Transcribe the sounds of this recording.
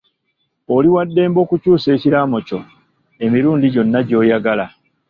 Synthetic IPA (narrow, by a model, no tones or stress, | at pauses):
oliwadːe̞ːmbo̞ːkucuːse̞ːciɾaːmo̞co̞ | e̞miɾuːndiɟo̞nːaɟo̞ːjaɡala